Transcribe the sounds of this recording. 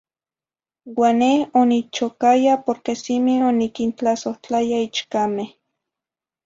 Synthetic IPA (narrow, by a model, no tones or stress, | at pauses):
wanehonit͡ʃokajapoɾkesimionikint͡ɬasoht͡ɬajait͡ʃkameh